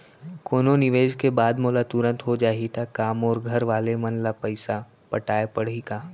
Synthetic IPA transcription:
koːnonɪʋeːd͡ʒkebaːd̪moːlat̪ʊɾə̃nt̪ɦod͡ʒaːɦit̪ʰakaːmɔːɾɡʱɐɾʋaːlemɐnlapəɪsa | pɐʈaːepɐɽ̤ikaː

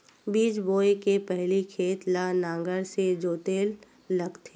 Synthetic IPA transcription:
biːd͡ʒboːekepɛɦlikʰeːt̪lanãːŋɡəɾsed͡ʒoːt̪eːlː | ɐɡt̪ʰe

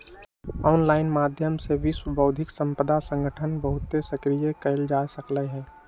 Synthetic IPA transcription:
ɔʊnlaːɪnmaːd̪ʱjəmsebʱiswəbʱəʊd̪ʱɪksə̃mpəd̪asə̃ŋɡʱəʈʰənbəɦʊt̪ːesəkɾijekəɪld͡ʒaːsəkləɦɛ̃ː

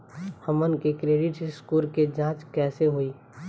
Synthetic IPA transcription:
həmənkekɾeːɖɪʈskuːlked͡ʒãːt͡ʃkɛːseɦoiː

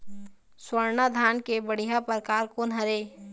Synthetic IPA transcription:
swəɾnad̪ʱaːnkebəɽ̤iɦapəɾkaːɾkonɦɐɾeː

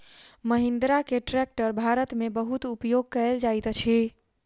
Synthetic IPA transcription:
məɦind̪ɾakeʈɾɛk̚ʈəɾbʱaɾət̪mebəɦut̪upjoɡ̚kəld͡ʒajt̪t͡ʃʰi

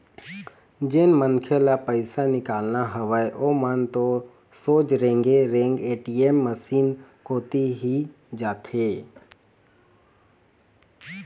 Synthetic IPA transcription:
d͡ʒenmənkʰelapəɪsanɪkaːlnaɦəʋəeʔomənt̪o | soːd͡ʒɾẽːŋɡeɾẽːŋɡeːʈiemːəsiːnkoːt̪iɦi | d͡ʒaːt̪ʰeː

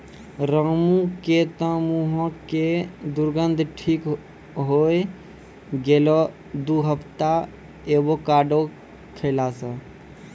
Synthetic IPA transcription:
ɾəmũket̪ə̃muɦə̃ked̪uɾɡənd̪ʱʈʰik | ɦoj | ɡelɔ | d̪uɦəpʰt̪a | ebokaɖo | kʰəɪlasə̃

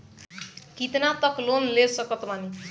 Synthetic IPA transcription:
kit̪nat̪ʌklonlesʌkʌt̪mani

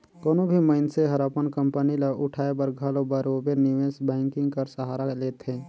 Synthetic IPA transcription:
koːnobʱiməɪnseɦɐɾapənkə̃mpənilaʔʊʈʰaːebəɾɡʱalobəɾoːbeɾnɪʋeːsbɛ̃ːŋkɪ̃ŋɡkəɾsəɦaːɾaleːt̪ɦẽː

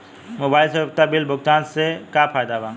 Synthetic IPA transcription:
mobaːjlsəbb̚t̪abilbʱʊk̚t̪aːnsekapʰaːjd̪aba

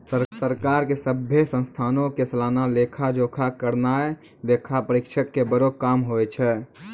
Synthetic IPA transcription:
səsəɾkaːɾkesəbʱːjesə̃nst̪ʰaːnõkesəlaːnalekʰad͡ʒoːkʰakəɾnae | lekʰapəɾikʃʰəkːebəɾokaːmɦoet͡ʃʰɛ

